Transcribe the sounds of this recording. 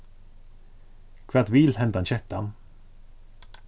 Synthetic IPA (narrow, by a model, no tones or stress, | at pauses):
kʰvat̪viːlhɛnt̪aɛnɕɛt̪ʰːan